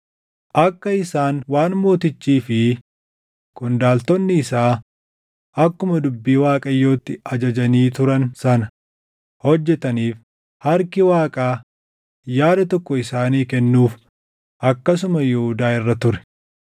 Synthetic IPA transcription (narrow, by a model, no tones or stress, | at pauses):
ʔɐkːɐɪsaːnwaːnmo̞ːt̪ɪt͡ʃːiːfɪ | kʊnd̪aːlt̪ɔnːɪːsaː | ɐkːʊmɐd̪ʊbːiːwaːkʼɐjːo̞ːt̪ːɪɐd͡ʒɐd͡ʒɐniːt̪ʊɾɐnsɐnɐ | hɔd͡ʒːɛt̪ɐniːf | hɐɾkɪwaːkʼaː | jaːd̪ɐt̪ɔkːɔɪsaːniːkɛnːuːf | ʔɐkːɐs̬ʊmɐjɛhʊd̪aːɪrːɐt̪ʊɾɛ̥